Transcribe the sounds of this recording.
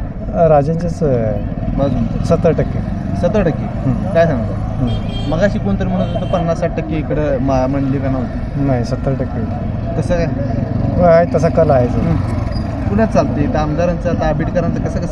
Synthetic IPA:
ɾad͡ʑant͡ɕat͡s | məd͡zsət̪ːəɾʈəkːi | sət̪ɾəʈəkːiɦə̃kajsãŋɡt̪o | ɦə̃ | məɡaːɕiːkoɳt̪əɾim̤əɽũːnt̪əpənːasːaʈ̚ʈəkːiːkɽemaməɳɖlikanaɦot̪e | naɦisət̪ːəɾʈəkːi | t̪əsə | ʋəaɦet̪əs̬akəlaɦet͡saɦ | kuɽat͡salt̪et̪əmd̪aɾant͡sat̪abʱiːʈkəɾant͡səkəsəkə

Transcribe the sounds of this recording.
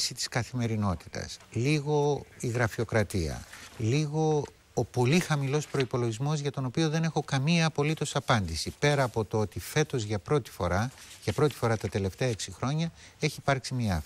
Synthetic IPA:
sit̪i̥skɐθime̞ɾino̞t̪i̥t̪ɐ̰sliɣo̞iɣɾɐfio̞kɾɐt̪iɐ̰liɣo̞ː | po̞lixɐmilo̞spɾo̞ipo̞loʝizmo̞zʝɐt̪o̞no̞pio̞ðe̞ne̞xo̞kɐmiɐːpo̞lit̪o̞sɐpɐnd̪isipe̞ɾɐːpo̞t̪oo̞t̪ife̞t̪o̞zʝɐpɾo̞t̪i̥foɾɐʝɐpɾo̞t̪i̥fo̞ɾɐt̪ɐt̪e̞le̞ft̪e̞ɐeksixɾo̞ɲɐe̞çiːpɐɾksimiɐ̰f

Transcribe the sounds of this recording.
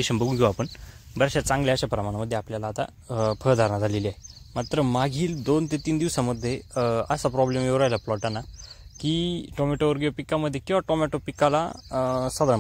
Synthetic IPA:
eɕənbəɡũɡeoapəɳbəɾaɕat͡sãŋɡljaəɕapɾəmaɽ̃aməd̪ʱːjeapljalaːt̪a̰ | pʰəɾd̪ʱaɾnad͡z̪ʱaleliaɦemat̪ɾəmaɡʱiːld̪ont̪et̪iːnd̪iʋsaməd̪ʱːjeəsapɾɔblemeʋɾajlaplɔʈanːakiʈɔmɛʈoʋəɾɡjopikːaməd̪ʱːjekiʋaʈɔmɛʈopikːala̰səd̪ɾa

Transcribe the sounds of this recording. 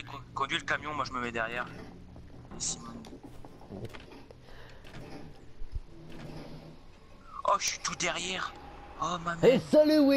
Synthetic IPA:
kkɔ̃d̪ɥiləkamjɔ̃mwaʒəməmɛd̪ɛʁjɛʁ | esimɔn | ɔʃi̥t̪ud̪ɛʁjɛʁɔmamesɔlywi

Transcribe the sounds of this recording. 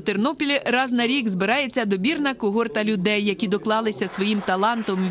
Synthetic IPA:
t̪ɪrnɔpʲilʲiɾɑznɐɾʲiɡzbɪɾɑjet͡sʲːɐd̪ɔbʲirnɐkʊɦɔrt̪ɐlʲʊd̪ɛjːɐkʲid̪ɔklˠɑlˠɪsʲɐsʋɔjimt̪ɐlˠɑnt̪ɔmʋʲ

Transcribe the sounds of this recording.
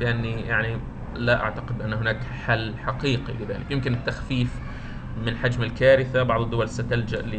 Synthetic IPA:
lɪʔanːijaʕni | laʔa̰ʕt̪aqɪd̪ʔanːɦʊnaːkħalːħaqiːqilɪða̰ːlɪkjɪmkɪnɪt̪ːaxfiːf | mɪnħad͡ʒmɪlkaːɾɪθabɑʕðˤɪd̪ːʊwalsat̪ald͡ʒaʔlɪ

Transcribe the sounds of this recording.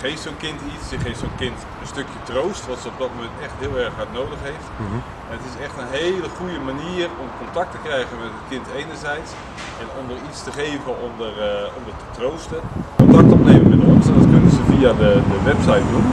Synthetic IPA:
χejftsoːnkɪntitssəχejftsownkɪnt | ənstøkjətrowstʋɑtsəɔb̚dɑt̚mowmɛntɛχtɦɪəlˠɛrχɦaɹtnowdəχɦejft | ɛnətɪsɛχtənɦejləχujəmaniːərɔmkɔntak̚təkrɛjɣənmɛtətkɪntejnəɹzɛjts | ɛnɔmdəritstəχeːvənɔmdərɔmdətətrowstəkɔntak̚tɔpneːməmɛnɔnsdɑtkɵnənzəviadədəʋɛpsajt̚dun

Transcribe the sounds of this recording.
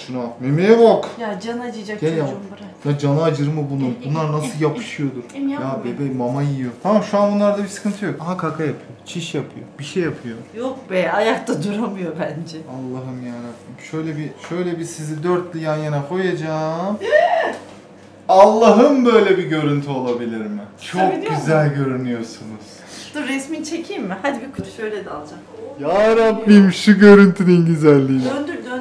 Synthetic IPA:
ʃunamemevokjad͡ʒanad͡ʒɯd͡ʒakelbɾanad͡ʒanaad͡ʒɯɾmɯbununbunlˠaɾnasɯlˠjapʰɯ̥ʃɯjo̞d̪uɾ̥jaːbebɛmamajiijo̞t̪ʰamamʃuanbunlˠaɾd̪abisɯ̥kɯnt̪ʰɯjo̞kaɦakʰakʰajapʰɯjot͡ʃʰiʃjapʰɯjo̰biʃejapʰɯjojok̚bɛajak̚t̪ʰad̪uɾamɯjo̞bænd͡ʒɛalˠːaɦɯmjaːnabmʃø̞jlʲɛbiʃøjlʲɛbisizid̪øɾt̪lʲijanjanakʰo̞jad͡ʒaːmt̪ | alˠːaɦɯmbøjlʲɛbiɟø̞ɾynt̪ʰyo̞lˠabilʲiɾmɪt͡ʃʰokɡyzælʲɟø̞ɾynyjo̞ɾsunuz̥ | d̪uɾɛsmint͡ʃʰecʰiːmːɪhad̪ibikʰuʃøjlʲed̪alˠd͡ʒakjaːɾaplˠimʃuɟø̞ɾynt̪ʰynynɟyzælʲːiːmnd̪yɾd̪

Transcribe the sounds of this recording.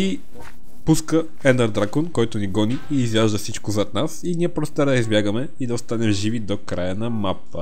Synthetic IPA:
i | puskə | ɛnd̪ɐɾd̪ɾakonkɔjt̪ʊniɡɔniiːzjaʒd̪əfsit͡ʃkʊzɐt̪nasiniɛpɾost̪ɛɾd̪ɐizbʲjaɡəmɛ | id̪ɐost̪anɛmʒivid̪okɾajənɐmapːə̰

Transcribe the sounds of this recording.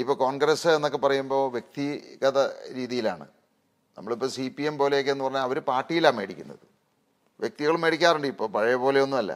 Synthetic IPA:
ipːo̞ːko̞ːɳɡɾɐsɨenːo̞k̬ːe̞pɐrɐjumbo̞ːʋje̞k̚t̪iɣɐðɐɾiːðijila̰ːɳɨ̰ | nɐmːɐɭipːoːsipiempo̞ːleokːeenːɨpɐrɐɲːaɐʋɐɾupaːʈːijilaːme̞ːɽikʲːunːɐðɨ | ʋjek̚t̪iɣɐɭume̞ːɽikʲːaːreɳɖɨipːo̞ːpɐɻɐjɐpo̞ːle̞o̞nːumɐlːɐ̰

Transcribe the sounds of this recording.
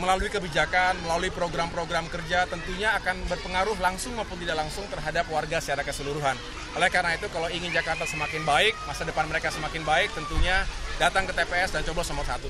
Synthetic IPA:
məlaluikəbid͡ʒakanməlaluipɾoɡɾampɾoɡɾamkərd͡ʒat̪ənt̪uɲaːkanbərpəŋaɾʊɦlaŋsʊŋmawpʊnt̪̬idaʔklaŋsʊŋt̪ərɦadapwarɡasəaɾakəsəluɾuɦan | ʔolɛhkaɾənait̪ukalawiŋɪnd͡ʒakart̪ansəmakɪnbaɪk̚masadəpanməɾekasəmakɪnbaɪk̚t̪ənt̪uɲadat̪aŋkət̪epeɛsdant͡ʃoblɔsamat̪sat̪u

